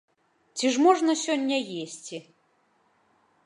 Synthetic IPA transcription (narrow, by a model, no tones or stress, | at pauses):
t͡sʲiʐmɔʐnɐsʲɔnʲːɐjesʲt͡sʲi